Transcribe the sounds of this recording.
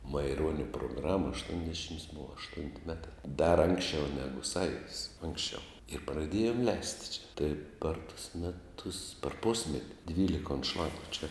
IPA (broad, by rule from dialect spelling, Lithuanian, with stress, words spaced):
mɐɪˈruɔnʲɛ proːˈɡrɑːmɐ ɐʃtuɔnʲˈdʲæːʃʲɪms ˈbʊʋɐ ɐʃˈtʊnʲtʲɪ ˈmʲæːtɐ dɐr ˈɐŋksʲˌt͡ʃʲɛʊ ˈnʲæːɡʊ ˈsɑːjʊdʲɪs ˈɐŋksʲˌt͡ʃʲɛʊ ɪr prɐˈdʲeːjoːm ˈlʲɛɪsʲtʲɪ t͡ʃʲɛ tɐɪ pɐr tʊs mʲɛˈtʊs pɐr ˈpʊsʲmʲɛtʲɪ ˈdʲʋʲiːlʲɪkɐ ʊnˈʃlˠɑːɡʊ t͡ʃʲɛ